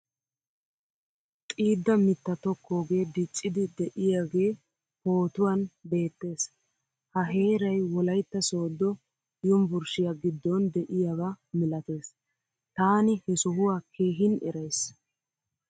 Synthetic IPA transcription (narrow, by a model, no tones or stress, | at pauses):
t̪ʼiːd̪ːɐmɪt̪ːɐt̪ɔkʰːo̞ːɡe̞ːd̪ɪt͡ʃʼːɪd̪ɪd̪ɛʔɪjaːɡe̞ː | ho̞ːt̪ʊwɐnbe̞ːt̪ːe̞ːs | hɐɦe̞ːɾɐjwɔlɐjt̪ːɐso̞ːd̪ːɔ | jʊmbʊɾʃɪjaɡɪd̪ːɔnd̪ɛʔɪjabamɪlɐt̪e̞ːs | t̪aːnɪhɛsɔɦʊwaːkʰeːɦɪnɛ̰ɾɐjs